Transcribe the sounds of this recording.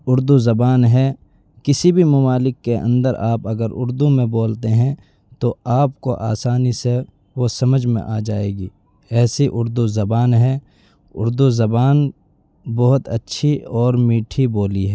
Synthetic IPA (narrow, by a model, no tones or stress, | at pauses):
ʊɾd̪uzɐbaːnɦɛː | kɪsibʱimɐmaːlɪkːeʔə̰̃nd̪əɾaːpɐɡəɾʊ̰ɾd̪umẽboːlt̪eɦɛ̃ | t̪oaːpkoʔa̰ːsaːnise | ʋosɐməd͡ʒʱmḛ̃ʔaːd͡ʒaːeːɡiː | ɛːsiʔʊɾd̪uzɐbaːnɦɛ | ʊ̰ɾd̪uzɐbaːn | bɔɦʊt̪ɐtːʃʰiɔːɾmiːʈʰiboːliɦɛː